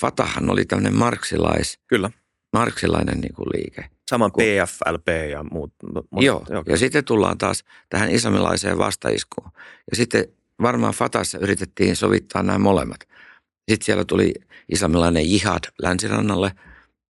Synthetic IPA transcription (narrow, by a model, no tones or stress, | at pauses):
fɑt̪ɑhɑno̰lit̪æmːənemmɑrksilɑiskylːæ | mɑrksilɑinḛnnḭːŋkṵlʔiːke | sɑmɑeːæfæ̰lpeːjɑmuːt̪mjoːjoːjɑsit̪ːett̪ulːɑ̰ːnt̪ɑːs | t̪æhænislɑmilɑisḛːʋʋʔɑst̪ɑḭskuːjɑsit̪ːe | ʋɑrmɑːfɑt̪ɑsːɑyrit̪et̪ːiːnsoʋit̪ːɑːnnæːmolemːɑt̪ | sit̪siælːæt̪uliʔislɑmilɑinejjihɑt̪lænsirɑnːɑlːe